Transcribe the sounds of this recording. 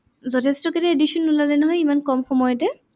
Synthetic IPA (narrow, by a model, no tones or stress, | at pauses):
zɔtʰɛstɔkɛtɛedisunːulalɛnɔɦɔjimankɔmxɔmɔjɔtɛ